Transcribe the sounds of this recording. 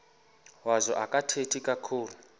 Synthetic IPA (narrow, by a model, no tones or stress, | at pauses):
wazʷɔʔakʼatʰetʰikʼakʰuːlu